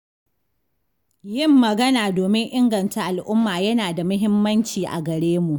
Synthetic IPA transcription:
jɪ˦˨mːɐ˨ɡɐ˦naː˨doː˨mɪ˦ŋʔɪ˦ŋɡɐ˨nta˦ʔa˨lʔʊ˦mːaː˨jɐ˦naː˨da˨mʊ˦ɦɪ˦mːɐ˦nt͡ʃiː˨ʔa̰˨ɡɐ˨ɽeː˦mu˨ʔ

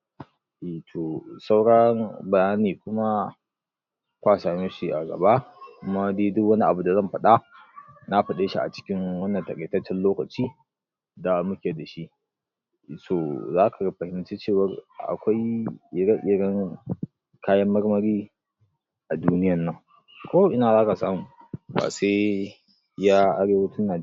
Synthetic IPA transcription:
ʔe˨tʰo˨sa˦wɽɐ˦ŋbɐ˨jaː˦niː˨kʷʊ˦ma˦ | kʷaː˦˨sa˨nu˦ʃi˨ʔa̰˨ɡɐ̰˨ba˦ʔkʷʊ˦ma˦deː˦dʊ˦kwɐ˦ni˦ʔa˨bu˨da˨zɐ˦˨mɸɐ˦ɗa˦na˦ɸɐ˨ɗeː˦ʃi˦ʔa̰˨t͡ʃɪ̥˦kʲɪ˦ŋwɐ˦nːɐ˨ntɐ˨kʼɐ˨tɐ˦t͡ʃːɛ˦nloː˦kɐ˨t͡ʃiː˦ | da˨mʊ˦kʲe˨da˨ʃi˦ʔ | so˨zaː˦kʰa˨˦ɸɐ˨hɪ˦m˦t͡ʃe˦t͡ʃeː˦˨wɐ˦rʔa̰˨kʷa˦jɪ˨ɽɐ˦ʔɪ˨ɽɐ˦ŋ | kʰaː˦jɐ˦mːɐ˦rmɐ˨ɾiː˦ | ʔa˨duː˦nɪ˦jɐ˨nːɐ˦˨ŋ | kʷoː˦ʔɪ˦naː˨zaː˦ka˨saː˦mu˨ba̰ː˨seː˦ | jaː˦ʔa˦ɾeː˦wɐ˦tʊ˦nːaː˨d͡ʒ

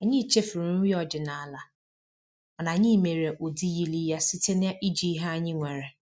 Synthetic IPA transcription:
a˨ɲɪ̃˦˨t͡ʃe˦fɪ˨ɾi˨n̩˦wi˦ɔ˨d͡ʒɪ˨nã˨a˨la˨ | ɔ˨nã˨ɲɪ̃˦˨me˨ɾe˨ʔo˨di˦ji˦li˦ja˦si˦tʰe˦nɪ̃˦a˦ʔi˦d͡ʒi˦ɦa˦˨ɲɪ̃˦ŋʷɛ˨ɾɛ˨

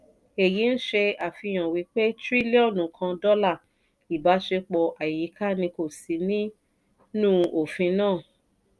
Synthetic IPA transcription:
e˨ji˨˦n̩˦ʃe˧a˨fĩ˧j̃ɔ̃˨wi˨˦k͡pe˦tɾi˦li˦ɔ̃˦˨nũ˨˦kʰã˧dɔ˦la˦˨ | i˨ba˨˦ʃe˧k͡pɔ˧ʔa˨i˨ji˨˦kʰa˦nĩ˧ko˦˨si˨˦nĩ˦ | nũː˦˨o˨fĩ˧nãː˦˨

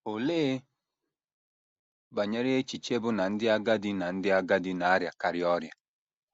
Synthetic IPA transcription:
o˨leː˦ | ba˨ɲe˦ɾe˦e˦t͡ʃi˨t͡ʃe˦bʊ˦na˨n̩˦dɪ˦a˦ɡa˦dɪ˦na˨n̩˦dɪ˦a˦ɡa˦dɪ˦na˨a˦ɾja˨ka˦ɾɪ˦ɔ˦ɾja˨

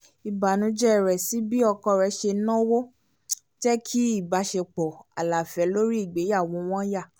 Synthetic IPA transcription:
i˨ba˨nũ˨˦d͡ʒɛ˦˨ɾɛ˨si˨˦bi˦ɔ˧kɔ˧ɾɛ˧˦ʃe˧nɔ̃˦wo˦ | d͡ʒɛ˦kʰi˦i˦˨ba˨˧˦ʃe˧k͡pɔ˨a̰˨la˨fɛ˨˦lo˦ɾi˦i˦˨ɡ͡be˨˦ja˦˨w̃ɔ̃˨˧w̃ɔ̃˦ja˦˨

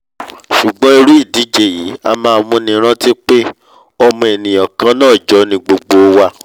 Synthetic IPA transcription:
ʃu˨ɡ͡bɔ̃˦e˧ɾu˦i˦˨di˨˦d͡ʒe˨ji˨˦a˧mãː˦˧˨mũ˧nĩ˧ɾ̃ã˦ti˦k͡pe˦ | ɔ˧mɔ̃˧e˨nĩ˨jɔ̃˨kã˧˦nãː˦˨d͡ʒɔ˨˦nĩ˧ɡ͡bo˧ɡ͡bo˧wa˧

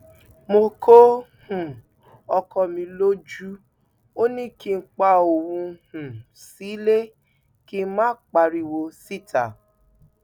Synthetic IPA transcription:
mo˧kʰo˦hũ˨ | ɔ˧kʰɔ˧˨mĩ˧lo˦d͡ʒu˦ | o˦nĩ˦ki˧n̩˦k͡pa˧o˨wũ˧hũ˨ | si˨˦le˦ | ki˦mãː˦k͡pa˧ɾi˦˨wo˧si˦˨tʰa˨

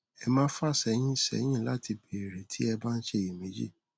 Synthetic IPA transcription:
ɛ˧mãː˦fa˦˨sɛ˧˦j̃ĩ˦˨sɛ̰˨˦j̃ĩ˦˨la˨˦ti˧bi˨e˨ɾe˨tʰi˦ɛ˧ba˦n̩˦ʃe˦˨ji˨me˨˦d͡ʒḭ˦˨

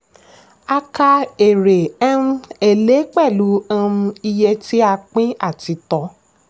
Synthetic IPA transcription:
a˧ka˧e˨ɾe˨ɛ̃˦e˨le˨˦k͡pɛ˦˨lu˨˦ã˦˧ũ˧i˧je˧ti˦a˧k͡pĩ˦a˦˨ti˨˦tɔ˨˦

